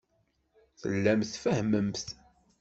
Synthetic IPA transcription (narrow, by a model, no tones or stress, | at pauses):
θə̰lːæmθfəhməmθ